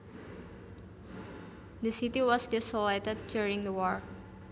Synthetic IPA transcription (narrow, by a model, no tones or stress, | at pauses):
d̪əsit̪iwɔsdɛsoletɛd̚d͡ʒjuɹɪ̃ŋd̪əwɔɹ